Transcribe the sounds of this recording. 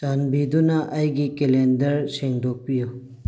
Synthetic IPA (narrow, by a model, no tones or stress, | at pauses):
t̪anbid̪unaʔɐjɡikelend̪ɐɾseŋɖok̚pijo